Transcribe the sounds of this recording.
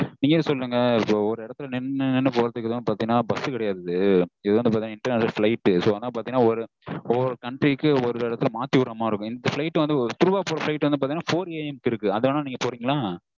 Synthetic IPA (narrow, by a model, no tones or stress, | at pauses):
niːŋɡɐsɔlːɾɯŋɡɐɪpːoːɔɾɯɪɽɐt̪ːɯlɐnɪnːɯnɪnːɯpoːɾɐðɯkːɯðoːnːɯpaːɾt̪iŋɡɐnaːbɐsɯkɪɽɐjaːðɐðɯɪðɐoːʋɐndɯpaɾt̪iŋnaːɪɳʈɐɾnesɐlflɐɪʈːɯsoːɐnaːpaːɾiŋɡɐnːaːɔɾɯ | ɔɾɯkɐɳʈɾikːɯɔɾɯɪɽɐt̪ːɯlɐmaːt̪ːiʋʊɾɐmaːɪɾɯkːʊ̃ɪnd̪ɐfɪlɐɪʈːɯʋɐnd̪ɯt̪ʊɾʋaːpoːɾɐflɐɪʈːʋɐnd̪ɯpaːɾt̪iŋnːaːfoːɾeːɛmkɪɾɯkːɯɐðɐnaːniːŋɡɐpoːɾiːŋɡɐlãː